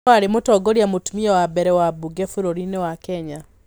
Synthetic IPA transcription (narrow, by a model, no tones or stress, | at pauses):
aɾemotɔɡoɾiamotumiɔwabɛɾɛwabuɡɛfuɾoɾinewakɛɲa